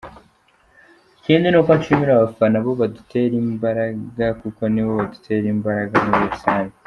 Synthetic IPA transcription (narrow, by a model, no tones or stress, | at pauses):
iciːnd̪inokwant͡ʃimiɾaβafanaβo̞βadutʰe̞ɾiːmbaɾaɡakuko̞niβo̞βadutʰe̞ɾiːmbaɾaɡanuβuɾusaːɲe